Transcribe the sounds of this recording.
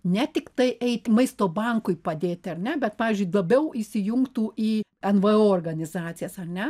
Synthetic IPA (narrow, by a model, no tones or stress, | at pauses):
nʲɛt̪ʲɪkt̪ɐɪʔɛɪt̪ʲmɐɪst̪oːbɐŋkʊɪpɐd̪ʲeːt̪ʲɐrʲnʲɛbʲɛt̪pɑːʋʲɪːzʲd͡ʒʲʊɪlˠɐbʲɛʊʔisʲɪjʊŋkt̪uːʔiːɛnʋəoːoːrɡɐnʲɪzɑːt̪sʲɪjɛsɐrʲnʲɛ